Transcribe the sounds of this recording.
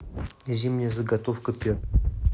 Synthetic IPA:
zʲimnʲəjəzəɡat̪ofkəpʲe

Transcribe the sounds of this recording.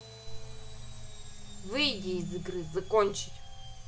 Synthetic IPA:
vɨjdʲɪːzɨɡɾɨzɐkonʲt͡ɕɪ̥tʲ

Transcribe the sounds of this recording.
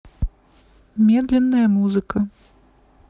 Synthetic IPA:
mʲɛd̪lʲɛnːɐjɐmuzɨkɐ

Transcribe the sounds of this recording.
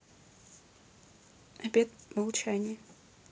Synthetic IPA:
ɐbʲet̪mɐlˠt͡ɕænʲɪjə

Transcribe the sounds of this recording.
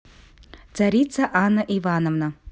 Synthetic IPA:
t͡s̪aɾʲit̪sɐʔanːɐʔivanɐvnɐ

